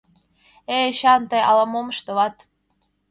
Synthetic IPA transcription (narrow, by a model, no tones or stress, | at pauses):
eɕɑnt̪ɤjɑlɑmoməʃt̪ɤ̆βɑt̪